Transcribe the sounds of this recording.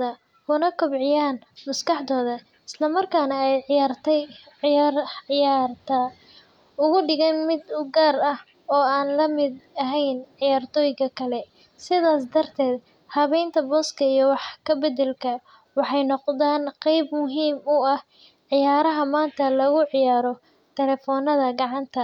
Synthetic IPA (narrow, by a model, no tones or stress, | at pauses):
ɐ | kʊnɐkʰɔbʕɪjaːn | mʊskɑħd̪ɔːðɐ | ɪslɐmɐrkʰaːnɐɛjrt̪ʰɛ | jaːrt̪ʰɐ | ʊɣʊɖɪɣɛnmɪd̪ʊɡaːrɐh | ɔːaːnlɐmɪd̪ɐɦɛjnʕɪjaːrt̪ʰɔːjɪɣɐkʰɐlɛ | sɪðaːs̬d̪ɐrt̪ʰɛːd̪ | hɐβɛjnt̪ʰɐbɔːskʰɐijɔwɑħkʰɐbɛd̪ɛlkʰɐ | wɑħɑjnɔqd̪aːnqɛjbmʊɦiːmʊɐh | ʕɪjaːɾɐɦɐmaːnt̪ʰɐlɐɣʊʕɪjaːɾɔ | t̪ʰɛlɛːfɔːnɐðɐɡɑʕɑnt̪ʰɐ